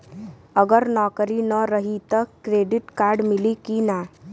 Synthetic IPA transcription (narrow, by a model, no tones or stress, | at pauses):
əɡəɾnɔːkɾinəɾəɦit̪əkɾeːɖɪʈkaːɾɖmɪlikina